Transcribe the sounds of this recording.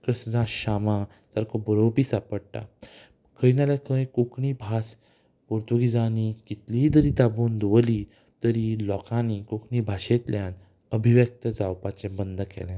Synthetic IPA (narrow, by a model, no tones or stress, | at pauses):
kɾəsd͡zãɕama | təɾkʰobəɾowpiːsapəɽʈa̰ | kʰəinalakʰə̃jkukɳibʱas | poɾt̪uɡid͡zanikit̪lid̪əɾiːt̪abund̪uʋəli | t̪əɾilɔkaniːkukɳibʱaɕet̪ljãn | əbʱiʋjək̚t̪əd͡zawpat͡ɕɛ̃bənd̪ʱəkɛ̰lɛ̃